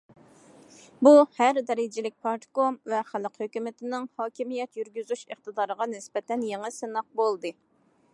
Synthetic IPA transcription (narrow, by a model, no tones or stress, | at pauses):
buhæɾd̪ɛɾɪd͡ʒɪlɪk̚ʲpʰɑɾt̪komvɛχælˠqhøkʲymɪt̪ʰɪnɪŋhɑːkʲʰimijɛt̪jyɾɡʲyzyʃəχt̪ɨd̪ɑːɾəʁɑnɪsbɛt̪ʰɛnjeŋəsɨnɑq̚bolˠd̪ɨ